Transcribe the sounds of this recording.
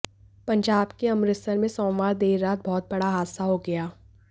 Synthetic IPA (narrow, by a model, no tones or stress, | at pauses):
pɐ̃ɲd͡ʒaːbkeɐ̃mɾɪsəɾmẽsɔ̃ːmʋaːɾd̪eːɾːaːt̪̚bɔːt̪̚bɐɽaɦaːd̪saɦoɡɐjaː